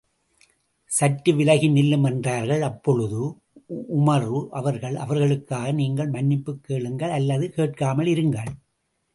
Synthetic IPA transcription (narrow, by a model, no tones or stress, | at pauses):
sɐtːɯʋɪlɐɣɪnɪlːɯmɛndraːɾɣɐɭɐpːɔɻɯðɯ | ʔʊmɐɾʋɯʔɐʋɐɾɣɐɭɐ̰ʋɐɾɣɐɭɯkːaːɣɐniːŋɡɐɭmɐnːɪpːɯkːeːɭɯŋɡɐɭɐlːɐðɯkeːʈ̚kaːmɐɭɪɾɯŋɡɐɭ